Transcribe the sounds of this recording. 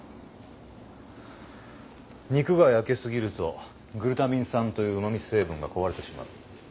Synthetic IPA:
ɲ̟ikɯ̟ɡaiake̞sɨɡʲiɾɯ̟t̪o̞ | ɡɯ̟ɾɯ̟t̪amʲĩɰ̃sãnt̪o̞jɯ̟ːmamʲise̞ːbɯ̟̃ŋɡako̞βaɾe̞t̪e̞ɕima̰ɯ̟

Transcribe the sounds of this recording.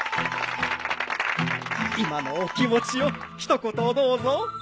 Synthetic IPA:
imanokʲimo̞t͡ɕijo | çi̥t̪okot̪od̪oːzo

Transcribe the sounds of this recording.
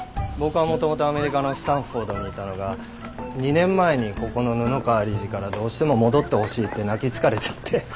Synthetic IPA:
bo̞kɯ̟βamo̞t̪o̞mo̞t̪o̞ame̞ɾʲikano̞si̥t̪ãɰ̃ɸo̞ːd̪o̞ɲ̟iːt̪ano̞ɡa | ɲ̟inẽ̞mːae̞ɲ̟iko̞ko̞no̞nɯ̟nokaːɾʲiʑikaɾad̪o̞ːɕi̥t̪e̞mo̞mo̞d̪o̞t̪ːe̞ho̞ɕiːt̪ːe̞nakʲit͡sɨ̥kaɾe̞t͡ɕḁt̪ʰːe̞

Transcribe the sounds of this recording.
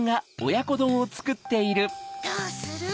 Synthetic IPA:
ŋɡao̞jako̞d̪õ̞ɰ̃ot͡sɨ̥kɯ̟t̪ːe̞iɾɯ̟

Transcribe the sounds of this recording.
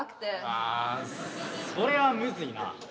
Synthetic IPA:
kt̪ea | so̞ɾe̞βamɯ̟zɨina̰

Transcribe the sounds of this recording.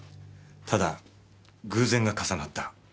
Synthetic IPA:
t̪ʰad̪a | ɡɯ̟ːzẽ̞ŋɡakasanat̪ːḁ

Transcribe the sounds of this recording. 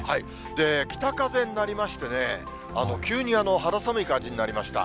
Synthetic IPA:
hai | d̪e̞kʲi̥t̪akazẽ̞nːaɾʲimaɕi̥t̪e̞ne̞ | a̰no̞kʲɨːɲ̟iano̞ɦaɾasamɯ̟ikãɲd͡ʑiɲ̟inaɾʲimaɕi̥t̪a̰

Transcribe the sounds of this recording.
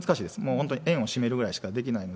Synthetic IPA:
t͡sɨ̥kaɕiːd̪e̞sɨmo̞ːhont̪oɲiʔẽ̞ɰ̃o̞ɕime̞ɾɯ̟ɡɯ̟ɾaiɕi̥kad̪e̞kʲinaino

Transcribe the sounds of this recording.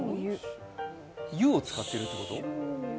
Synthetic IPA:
jɯot͡sɨ̥kat̪ːe̞ɾɯ̟t̪ːe̞ko̞t̪o̞̰

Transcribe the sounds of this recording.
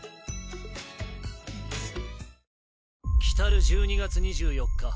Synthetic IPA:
kʲi̥t̪aɾɯ̟ʑɨːɲ̟iɡat͡sɨɲ̟iʑɨːjo̞kːa

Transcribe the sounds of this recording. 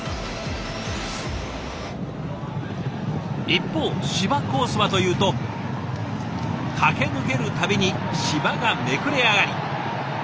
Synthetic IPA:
ipːo̞ːɕibako̞ːsɨβat̪o̞jɯ̟ːt̪o̞ | kʰake̞nɯ̟ke̞ɾɯ̟t̪abʲiɲ̟iɕibaɡame̞kɯ̟ɾe̞aɡaɾʲi

